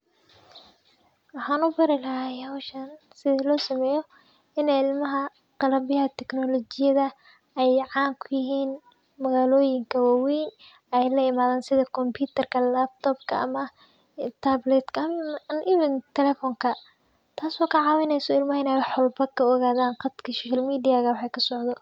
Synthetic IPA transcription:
wɑħɑːnʊbɐɾɪlɐɦaːhawʃɐn | sɪðɐlɔːsɐmɛːjɔ | ɪnɛjɪlmɐɦɐ | qɑlɐbjɐɦɐt̪ʰɛknɔlɔt͡ʃɪjɐðɐ | ɛjʕɑːŋkʰʊjɪɦiːn | mɐɣaːlɔːjɪŋkʰɐwaːwij | ɛjlɐɪmaːðaːnsɪðɐkʰɔmpʰjuːt̪ʰɐrkʰɐlab̚t̪ʰɔːbkʰɐʔɐ̰mɐ | t̪ʰablɛd̪kʰɐɐmnʔɪβɪnt̪ʰɛlɛfɔŋkʰɐ | t̪ʰaːsɔːkʰɐʕɑːwɪnɛjsɔɪlmɐɦɐɪnɛwħɔlbɐkʰɐɔɣaːðaːnqɑd̪kʰɐsɔːʃɐlmiːdɪjaːɣɐwɑħɑjkʰɐsɔʕðɔ

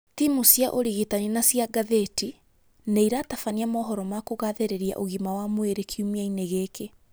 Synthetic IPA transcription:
timusjaʔoɾiɣitaɲinasjaɡaðeti | neiɾatafaniamɔːɦɔɾɔmakoɣaðeɾeɾia̰ʔoɣimawamweɾekʰiumiaineɣeːke

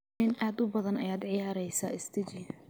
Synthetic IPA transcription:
ɪnʔaːd̪ʊbɐðɐnɐjaːd̪ʕɪjaːɾɛjsa̰ːɪst̪ʰɐt͡ʃɪj

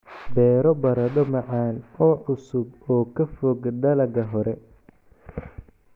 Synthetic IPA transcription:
bɛːɾɔbɐɾɐdɔmɐʕɑːnɔːʕʊsʊbɔːkʰɐfɔːɡd̪ɐlɐɡɐɦɔɾɛ

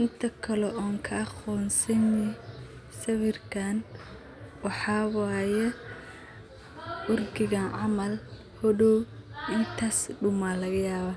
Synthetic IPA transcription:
ʔɪnt̪ʰɐkʰɐlɔʔɔːŋkʰɐɑχɔːnsɐnɪ | sɐβɪrkʰaːn | wɑħɑːwɑːjɛ | wʊrɡɪɣaːnʕɑmɐl | hɔɽɔw | ɪnt̪ʰaːsɖʊmalɐɣɐjaːβaː

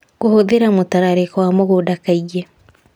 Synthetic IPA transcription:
ɣohoðeɾamotaɾaɾekɔwamoɣodakaiɣɛ

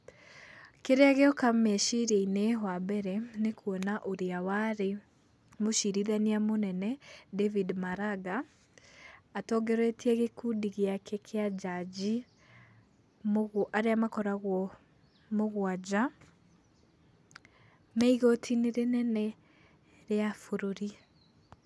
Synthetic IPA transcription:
keɾeaɣeɔkamɛʃiɾeineɦwabɛɾɛnekʰwɔnaʔoɾeawaɾe | moʃiɾiðaniamonɛnɛdevidmaɾaɡa | tɔɡɛɾwetʰiɛɣekudiɣeakekʰead͡ʒad͡ʑi | moɣʔaɾeamakɔɾaɣwɔ | moɣwad͡ʑa | mɛiɣotʰineɾenɛnɛ | ɾeafoɾoɾi

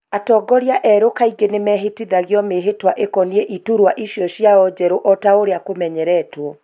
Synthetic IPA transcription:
atɔːɡɔɾjaʔɛɾokaiɡenemɛɦetiðaɣjɔmeɦetwaʔekɔnieʔituɾwaʔiʃjɔɕjaɔd͡ʑɛɾoʔɔtaoɾeakomɛɲɛɾɛtwɔ

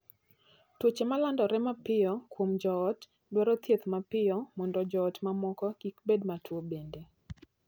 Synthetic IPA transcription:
twot͡ʃemalandɔɾɛmapɪjɔkwomd͡ʒɔːt | dwɔɾɔt̪jet̪mapɪɔmɔndɔd͡ʒɔːtmamɔkɔkikbedmatʰwobende

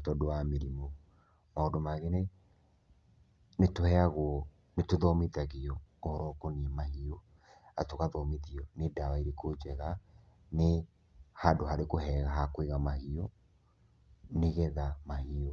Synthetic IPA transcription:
tɔdowameɾimo | maodomaɣɛne | netohɛaɣwɔ | netoðɔmitaɣeɔohɔɾɔkoniɛmaɦiɔ | atoɣaðɔmiðiɔnedawaiɾekod͡ʒɛɣa | ne | hadoɦaɾekoɦɛːɣaɦakweɣamahiɔ | neɣɛðamahiɔ

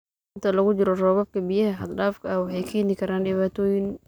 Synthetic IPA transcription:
ɪnt̪ʰɐlɐɣʊd͡ʒɪɾɔrɔːβɐb̚kʰɐbijɐhɐħɐd̪ɖaːfkʰɐɐwɑħɑjkʰɛːnɪkʰɐɾaːnɖɪβaːt̪ʰɔːjɪn

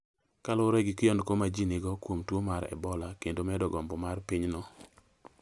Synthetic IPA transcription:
kalʊɾɛɡikɪɔnkomad͡ʒinɪɡɔkwomtwomaɾɛ̰bɔlakendomɛdɔɡɔmbɔmarpiɲnɔ

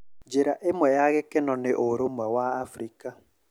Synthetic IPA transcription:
d͡ʒeɾaʔemwɛjaɣɛkɛnɔneʔoɾomwawaːfɾika

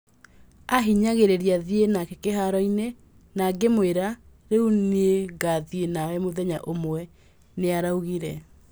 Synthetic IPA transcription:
aɦiɲaɣeɾeɾiaðienakekeɦaɾɔine | naɡemoeɾaɾeunieɡaðienawɛmoðɛɲaʔomwɛ | neaɾauɣiɾɛ

